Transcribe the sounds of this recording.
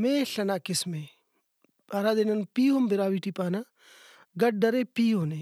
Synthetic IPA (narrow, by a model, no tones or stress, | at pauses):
meːɬɐnaːkɪsme | baɾaːd̪enɐnpiːɦombɪɾaːʋiːʈipaːna | ɡɐʈ̚ɖɐɾepiːɦoːne